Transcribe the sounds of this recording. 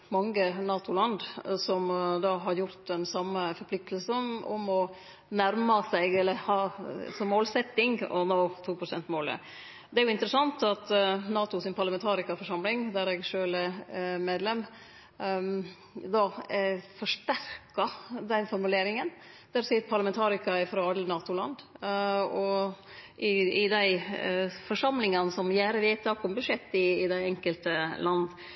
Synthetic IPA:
mɑŋːənɑːt̪ʊlɑnd̪sɔmd̪ɑːɦɑɾjʊɾt̪ɛnsɑmːəfɔɾpʰlɪk̚t̪ʰəlsənɔ̰mɔ | næɾmɑsæɪɡɛlːəɾhɑːsɔmːoːlsɛt̪ːɪŋɔ̰noːt̪ʰuːpʰɾʊsɛnt̪moːlə̰ | d̪ɛæɾjʊɪnt̪əɾəsɑnt̪ɑt̪nɑːt̪ʊsɪnpʰɑɾlɑmɛnt̪ʰɑːɾɪkɑfɔʂɑmlɪŋd̪æɾɛɡʂøːlɛmeːd̪lɛm | d̪ɑfɔʂt̪æɾkɑd̪ɛnfɔɾmʉleːɾɪŋən | d̪̥æɾsipʰɑɾlɑmɛnt̪ʰɑːɾɪkɑɛfɾɑɑd̪lənɑːt̪ʊlɑ̰nd̪ | ɔ | ʔɪɪd̪æɪ | fɔʂɑmlɪŋɑnəsɔmjæːɾəʋeːt̪ʰɑːkɔmbʉʂɛt̪ːɪːd̪æɪɛŋkəlt̪əlɑnd̪

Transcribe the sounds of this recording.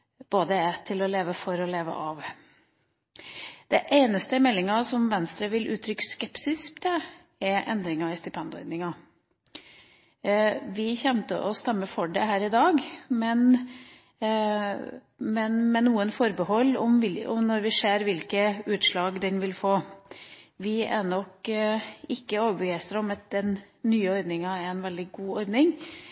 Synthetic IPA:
b̥oːd̪əɛt̪ʰɪlɔleːʋəfɔɾɔleːʋə̰ʔɑʋ | d̪̥ɛʔeɪnəst̪əmɛlːɪŋɑsɔmʋɛnst̪ɾəʋɪlʔʉːt̪ʰɾʏkːə̥skɛpsɪsk̚d̪ɛ | ɛɾʔɛ̰nd̪ɾɪŋɑɪst̪ɪpʰɛnd̪ʊɔ̰ʏd̪nɪŋɑ | ʋɪçɛmt̪ə̰ʔɔst̪ɛmːəfɔɖɛɦæːɾɪd̪ɑːɡmɛn | mɛnmɛnːuːənfɔɾbəhɔlːɔ̰mɪlɔ̰mnɔɾʋɪʂeːɾʋɪlkəʉːt̪ʂɭɑːɡd̪ɛnʋɪlfoː | ʋɪæɳɔk | ɪkːəoːʋəbəɡæɪst̪əɾɔmɑt̪̚d̪ɛnː | yːəɔɾd̪nɪŋɑæɾɛnʋɛld̪ɪɡuːɔɾd̪nɪŋ

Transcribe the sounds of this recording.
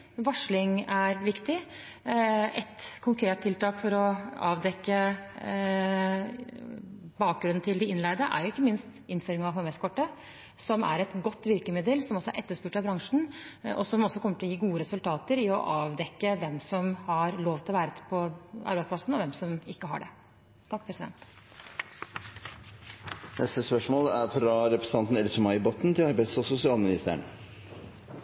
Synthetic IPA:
ʋɑʂɭɪŋæɾʋɪkt̪ɪ | ɛt̪kʰʊŋkʰɾeːt̪t̪ʰːɪlt̪ɑːkfɔɾɔɑ̰ːʋd̪ɛkːə | bɑːk̚ɡɾʉnn̩t̪ʰɪld̪ɪɪnlæɪd̪əʔæ̰ɾjʊɪkːəmɪnst̪ɪnføːɾɪŋɑʋɦɔmɛskʰɔʈːə | sɔmæ̰ɾɛt̪ɡɔt̪ːʋɪɾkəmɪd̪əlsɔmɔsːɔæ̰ɾʔɛt̪ːəʂpʉːʈɑbɾɑŋʂɳ̩ɔ̰sɔmɔsːɔkɔmːəʈɪlɔjiːɡuːəɾɛsʉlt̪ʰɑːt̪əɾɪɔ̰ʔɑːʋd̪ɛkːəʋɛmsɔmhɑɾloːʋt̪ɪlɔʋæːɾəpʰɔʔɑ̰ɾbæɪspʰlɑsn̩ɔʋɛmsɔmɪkːəɦɑ̰ɖɛ̰ | t̪ʰːɑk̚ːpʰɾɛsɪd̪ɛ̰nt̪ | nʔɛst̪əspœʂmoːlæɾfɾɑɾɛpɾəsə̥nɑnt̪n̩ɛlsəmɑɪbɔt̪n̩t̪ʰɪlɑɾbæɪsɔsʊsɪɑːlmɪnɪst̪əɾə̰ɳ

